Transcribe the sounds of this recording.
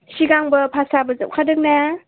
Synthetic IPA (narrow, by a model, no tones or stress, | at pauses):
siɡaŋbɐpʰasabɐzɐ̰p̚kʰadɯk̚na